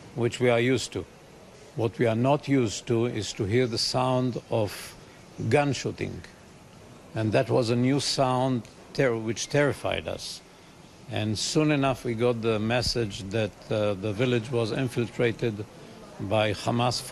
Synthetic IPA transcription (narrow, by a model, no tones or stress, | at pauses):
wɨt͡ʃwiə˞justʰu | wʌt̚ʰwiə˞nətʰjustuɪz̥tʰɨɦiɹðəsãʊ̃ndʌv | ɡʌ̃nʃuɾɪ̰̃ŋ | ɨ̃nðɨt̚wʌzənjusãʊ̃nd | tʰɛɹwɨt͡ʃtʰɛɹɨfa̰ɪdʌ̰s | ɨ̃nsũnɨnʌfwiɡɑt̪̚ðəmɛsɪd͡ʒðɨt̪̚ðəvɪlˠɪd͡ʒwʌzɪ̰̃ɱfɪlˠtʰɹ̥eɪɾɨdbaɪxamasf